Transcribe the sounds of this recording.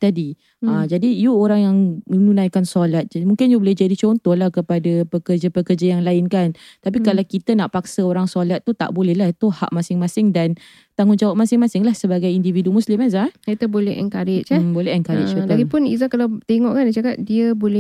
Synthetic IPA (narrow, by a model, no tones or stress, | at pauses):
t̪adi | ad͡ʒadijuoɾaŋjaŋmənũnãjkansolat̪̚d͡ʒmuŋkɪnjubolɛhd͡ʒadit͡ʃɔnt̪ɔhlahkəpadapəkəd͡ʒapəkərd͡ʒajaŋlaɪnkant̪ap̬ikalawkit̪ənaʔpaksəoɾaŋsolat̪̚ːut̪a̰ʔbolɛhlahit̪uha̰ʔ̚masɪŋmãsɪŋdan | t̪aŋʊnd͡ʒawap̚masɪŋmãsɪŋlahsəbaɡajindividumuslɪmazakit̪əbolɛhə̰ŋkaɾɪʔt͡ʃɛbolɛhəŋkaɾɪsob̪aɡipʊnḭzakalawt̪eŋɔʔkandat͡ʃakat̪̚diəbolɛ